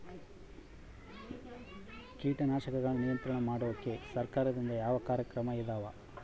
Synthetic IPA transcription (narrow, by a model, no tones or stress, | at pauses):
kiːʈɐnaːʃɐkɐɡɐɭunijɐnt̪ɾɐɳɐmaːɽoʋɐkːe̞sɐɾkaːɾɐd̪ind̪ɐjaːʋɐkaːɾjɐkɾɐmɐid̪aːʋɐ